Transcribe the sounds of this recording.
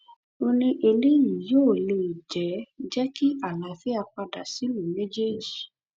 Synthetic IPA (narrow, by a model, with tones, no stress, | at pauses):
o˧nĩ˧ʔe˧le˦ji˨joː˦˨le˧i˨d͡ʒɛ˨˦d͡ʒɛ˦ki˦ʔa˦˨la˨fɛ˦a˧k͡pa˧da̰˨si˨˦lũ˨mɛ̃˦d͡ʒe˦d͡ʒi˨